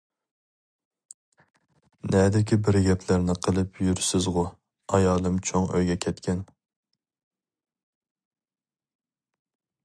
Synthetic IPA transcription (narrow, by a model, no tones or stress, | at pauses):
nɛd̪ɪkʲibɪɾɡʲɛpʰlæɾnɪqʰəlˠɨpʰjyɾsɪzʁʊ | ɑjɑːlˠɨmt͡ʃʰoŋø̰jɡʲɛkʲʰɛt̪kʲʰɛn